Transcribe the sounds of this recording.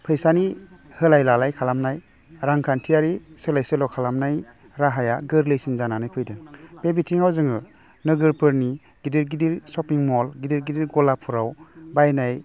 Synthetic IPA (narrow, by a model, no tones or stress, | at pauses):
pʰɯjsani | hɯlajlalajkʰalamnaj | ɾaŋkʰantʰijaɾisɯlajsɯlɔkʰalamnaj | ɾaɦajaɡɯɾlejsinzananajpʰɯjdɯŋb̥ebitʰiŋawzɯŋɯ | nɯɡɯɾpɯɾni | ɡ̥idiɾɡidiɾsɔpiŋmɔlɡidiɾɡidiɾɡɔlapʰuɾawbajnaj